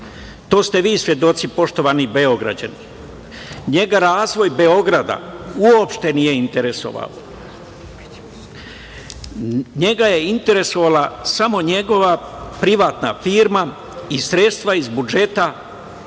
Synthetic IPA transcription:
t̪o̞ːst̪e̞ʋiːsʋje̞d̪o̞t̪sipo̞ʃt̪o̞ʋanibeo̞ɡɾa̰d͡ʑa̰ni | ɲe̞ɡaɾaːzʋo̞jbe̞o̞ɡɾad̪a̰uopʃt̪e̞nije̞int̪eɾe̞so̞̰ʋa̰lo | ɲe̞ɡaje̞int̪e̞ɾe̞so̞ʋalasamo̞ɲe̞ɡo̞ʋapɾiʋaːt̪nafiːɾma | isɾe̞t̪st̪ʋaizbud͡ʒe̞t̪a

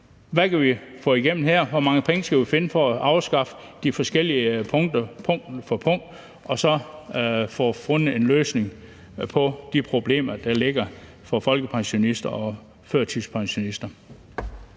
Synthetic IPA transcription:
ʋækʰæʋifɔ̰ːiɡ̥em̰n̩ɦeɐ̰ʋɒmɑ̈ŋəpʰeŋəsɡ̥æʋife̝nəfɒ̽ːʔɑ̈ʊsɡ̥ɑ̈fə̥ | d̥ifɒ̽sɡ̥el̰iəpʰɔŋd̥ɐpʰɔŋdfɒpʰɔ̽ŋ̰d̥ | ɒ̽sɒ̽ | fɒ̰ːfonəe̝nløːsne̝ŋ | pʰɒ̽d̥ipʰʁo̝b̥le̝̰ːmɐd̥ɑle̝ɡ̥ɐ | fɒ̽fɒ̽lɡ̥əpʰɑ̈ŋɕo̝nisd̥ɐɒ̽ | føɐ̰t͡sʰispʰɑ̈ŋɕo̝nisd̥ɐ

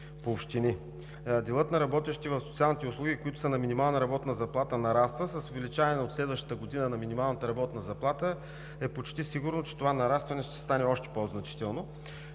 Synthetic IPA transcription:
poːpʃt̪ini | d̪ɛlˠɤt̪nɐɾɐbɔt̪ɛʃt̪ivɐfsot̪sialˠnit̪ɛʊslˠuɡʲikoit̪ʊ̥sənɐminʲimalˠnəɾɐbɔt̪nəzɐplˠat̪ənɐɾast̪vəsɐsovɛlit͡ʃavɐnɛot̪slɛd̪vəʃt̪ə̥t̪əɡod̪inənɐminʲimalˠnət̪əɾɐbɔt̪nəzɐplˠat̪ə | ɛpot͡ʃt̪isiɡʊɾnot͡ʃɛ̥t̪ovanɐɾast̪vɐnɛʃt̪ɛ̥st̪anɛɔʃt̪ɛ̥poznɐt͡ʃi̥t̪ɛlˠno

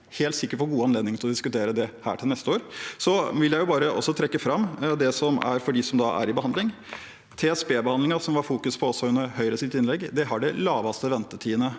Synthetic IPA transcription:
heːlt̪sɪkːəpʰɔɡuːɑnleːd̪nɪŋt̪ʰɪlɔd̪ɪskʉt̪ʰeːɾəd̪ɛhæ̰ːʈʰɪlnɛst̪əoːɾsɔʋɪljæɪjʊbɑːɾəʔɔ̰sːɔt̪ʰɾɛkːəfɾɑmːd̪ɛsɔmæ̰ɾfɔɖiːsɔmd̪ɑʔæ̰ɾɪbəhɑnd̪lɪŋ | t̪ʰeɛspeːbəhɑnd̪lɪŋɑsɔmʋɑɾfuːkʉspʰɔɔsːɔʉnːəɾɦœʏɾəsɪt̪ːɪnlɛɡːd̪ɛɦɑɖɛlɑːʋɑst̪əʋɛnt̪ət̪ʰiːənə

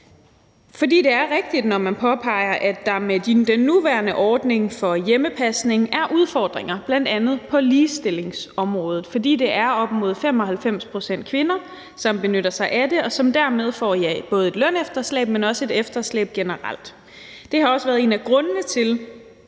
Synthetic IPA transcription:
fɒ̽dḭːd̥e̝æɐʁeɡ̥̚d̥id̥nɒmænpʰɒ̽pʰɑ̈ɪ̰ɐʔæd̥ɑ̈medid̥enːuʋæɐnəʔɒːd̥ne̝ŋfɒ̽jeməpʰæsne̝ŋæɐʔuð̞ˠfɒ̰ːd̥ʁeŋɐb̥læn̰d̥ænð̞̩ˠpʰɒ̽liːsd̥e̝le̝ŋsɒ̽mʁɔ̽ːð̞ˠð̩ˠfɒ̽d̥ḭːd̥e̝ʔæɐɒ̽b̥mo̝ð̞ˠfem̰ɒ̽ɦælfem̰spʰʁo̝sen̰d̥̚kʰʋe̝nɐ | sɒ̽mb̥e̝nøɾɐsɑ̈ɪʔæde̝ɒ̽sɒ̽md̥æɐ̰með̞ˠfɒ̰ːjɑɪb̥ɔ̽ːð̞̩ˠe̝d̥lønefd̥ɐslɛ̰ːb̥menɒ̽səe̝d̥efd̥ɐslɛ̰ːb̥̚ɡ̥enəʁa̰l̰d̥ | d̥e̝hɑ̈ɒ̽səʋæːɐð̩ˠe̝̰ːnæɡ̥ʁɔ̽nnət͡sʰe̝l

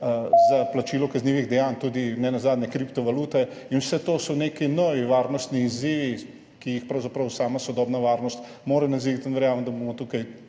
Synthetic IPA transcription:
zaplat͡ʃiːlɔkɐzniːʋiɣd̪ɛjaːnt̪uːd̪inɛnazaːd̪nʲɛkɾipt̪ɔʋaluːt̪ɛ | inwsɛt̪oːsɔnekinɔʋiʋaːɾnɔst̪niːziːʋi | kijixpɾɐwzapɾɐwsaːmasɔd̪ɔːbnaʋaːɾnɔst̪ | moːɾɛnɐziit̪inʋɛɾjaːməmd̪ɐbomɔt̪ukɐj

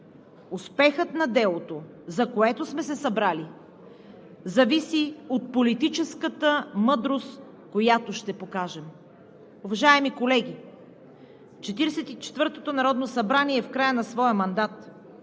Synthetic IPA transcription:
ʊspɛxət̪nɐd̪ɛlˠot̪o | zɐkoɛt̪osmɛsɛsɐbɾali | zɐvisiot̪̚polit̪it͡ʃɛskət̪əmɤd̪ɾost̪ | kojat̪oʃt̪ɛpokaʒɛm | ʊvɐʒaɛmikolɛɡʲi | t͡ʃɛt̪iɾɛsɛt̪it͡ʃɛ̥t̪vɤɾt̪ot̪onɐɾɔd̪nosɐbɾaniɛfkɾajənɐsvɔjəmɐnd̪at̪

